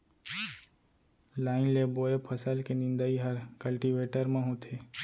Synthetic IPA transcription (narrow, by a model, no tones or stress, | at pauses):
laːɪnleboːepʰəsəlkenɪ̃nd̪əiɦəɾkəlʈiʋeːʈəɾmãɦõt̪ʰeː